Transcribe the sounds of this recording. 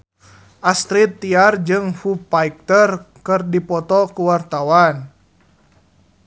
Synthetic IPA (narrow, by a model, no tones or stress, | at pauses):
ʔast̪ɾit̪ːiard͡ʒɨŋfupaik̚t̪ərkɨrdipɔt̪ɔkuwart̪awan